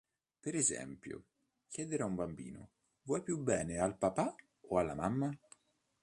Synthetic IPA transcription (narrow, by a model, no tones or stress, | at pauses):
peɾezɛ̰mpjo̰ | kjɛːd̪eɾeaumbambḭːno̰ | vwɔjpjubːɛːnealpapa | oalːa̰mamːa